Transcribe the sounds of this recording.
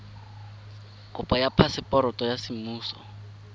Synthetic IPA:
kʼʊpʼajapʰasɪpʼɔɾɔtʼɔjasɪmuːsɔ

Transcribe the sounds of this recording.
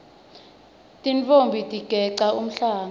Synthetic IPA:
tʼint͡fombʱitʼiɡ̥ʱɛǀaum̩ɬaːŋa

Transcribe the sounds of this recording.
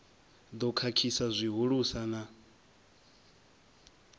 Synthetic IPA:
d̪ɔkʰakʰisazʷiɦuɺusana

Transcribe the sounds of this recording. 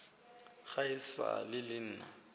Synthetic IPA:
ɣaɪsa̰lɪlɪn̩ːna

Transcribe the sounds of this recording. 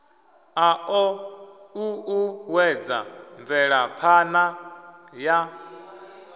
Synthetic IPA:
aʔɔ | uuwɛd͡za̰ɱvɛɺapʰanaja

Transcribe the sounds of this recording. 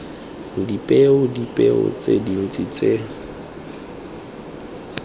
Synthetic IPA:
dipʼeʊdipʼeʊ̰t͡sʼḛdin̩t͡sʼit͡sʼe

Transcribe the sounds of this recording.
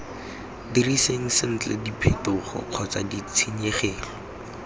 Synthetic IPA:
diriseŋ̩sɪn̩t͡ɬɛ̰dipʰetʊχɔ̰q͡χʰɔt͡sadit͡sʰeɲeχeːlɔ

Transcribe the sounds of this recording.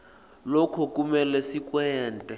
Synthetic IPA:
lɔkʰɔk̬ʼumɛlɛsik̬ʼwɛːntʼɛ

